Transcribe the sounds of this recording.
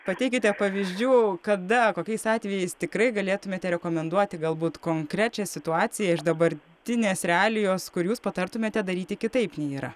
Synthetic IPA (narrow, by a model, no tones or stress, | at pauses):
pɐt̪ʲɛɪkʲɪt̪ʲɛpɐʋʲiːzʲd͡ʒʲuːkɐd̪ɐkoːkʲɛɪsɑːt̪ʲʋʲɛjɛɪst̪ʲɪkɾɐɪɡɐlʲeːt̪ʊmʲeːt̪ʲɛɾʲɛkoːmʲɛnd̪uɔt̪ʲɪɡɐlˠbuːt̪koːŋkɾʲæːt͡ʃʲɛsʲɪt̪ʊɑːt͡ssʲɪjɛɪʒd̪ɐbɐɾʲt̪ʲɪnʲeːsɾʲɛɑːlʲɪjoːskʊɾjuːspɐt̪ɐrt̪ʊmʲeːt̪ʲɛd̪ɐɾʲiːt̪ʲɪkʲɪt̪ɐɪpnʲɛiːɾɐ̰